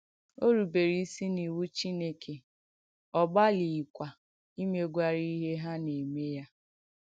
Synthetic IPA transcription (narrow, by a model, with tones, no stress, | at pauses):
o˦ɾu˨be˨ɾi˨i˦si˦ni˨wu˦t͡ʃi˦ne˦kʰe˨ | ɔ˨ɡ͡ba˦li˨i˨kʷa˨ | i˦me˦ɡʷa˦ɾi˦i˦ɦe˦ɦa˦ne˨me˦ja˦